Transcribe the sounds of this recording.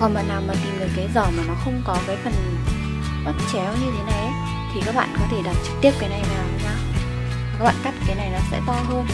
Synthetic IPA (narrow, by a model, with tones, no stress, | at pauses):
kɔ˨˩nməː˨˩nːaː˨˩wmaː˨˩t̪i˨˩mnɨ˨˩kaː˨˦jzɔ˧˩maː˨˩nɔ˨˦xə˧wŋ͡mkɔ˨˦kaː˨˦jfə˨˩n˨ | mə˨˦˩t̚t͡ɕɛ˨˦wɲɨ˧t̪ʰe˨˦na˨˩jə˨˦j | t̪ʰi˨kaː˦˥k̚ɓa̰ː˧˨nkɔ˨˦t̪ʰe˧˩ɗa˨˩t̚t͡ɕɨ̥˨˩k̚t̪i˦˥əp̚kaː˨˦jna˨˩jma˨a˨˩˨wɲaː˧˩˨ | ka˦˥k̚ɓ̰ːka˦˥t̚kaː˨˦jna˨˩jnɔ˨˦sɛ̰˧˥t̪ɔ˧ɦəː˧n